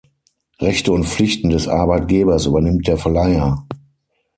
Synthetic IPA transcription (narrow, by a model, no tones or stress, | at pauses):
ʁɛçtəʊntp͡flɪçtn̩dɛsʔa̰ɐbaɪt̚ɡ̥eːbɐsʔyːbɐnɪmt̚d̥eːɐfɛɐlaɪɐ